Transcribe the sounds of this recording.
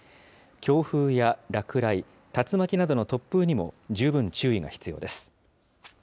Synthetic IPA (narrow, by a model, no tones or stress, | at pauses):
kʲo̞ːɸɯːjaɾakɯ̟ɾai | t̪at͡sɨmakʲinad̪o̞no̞t̪o̞pːɯ̟ɲ̟imo̞̰d͡ʑɨːbɯ̟̃ɲ̟t͡ɕɨːiɡa̰çi̥t͡sɨjo̞̰ːd̪e̞sɨ̥